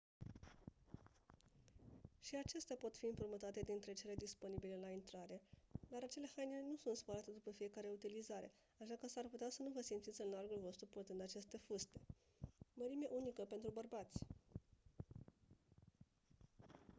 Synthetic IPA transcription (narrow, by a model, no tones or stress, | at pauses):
ʃiat͡ʃe̞st̪eapo̞t̪fiɨmpɾumət̪at̪e̞d̪int̪ɾe̞t͡ʃe̞le̞d̪ispo̞nibile̞laint̪ɾaɾe̞d̪aɾat͡ʃe̞le̞hajnilenusunt̪spəɾat̪e̞d̪upəfije̞kaɾe̞ut̪ilizaɾe̞̰ | aʃakəsarput̪easənuvəsimt̪sit̪sʲɨnlarɡulvo̞st̪ɾuport̪ɨnd̪at͡ʃe̞st̪e̞fust̪e̞̥ | məɾime̞ʔunikəpe̞nt̪ɾubərbat̪sʲ